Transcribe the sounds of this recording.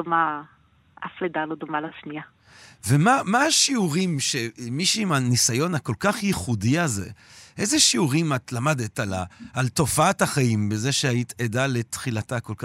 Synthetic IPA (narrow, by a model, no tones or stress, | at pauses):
oma | a̰fled̪alodomalat͡ʃnia | vemamaːʃiuʁimʃemiʃuimanisajo̞nako̞lkaχjiχudiazḛʔe̞zeʃiuʁimatlamadetalaːlto̞faathaχaimbezeʃeaitedale̞tχilatakolka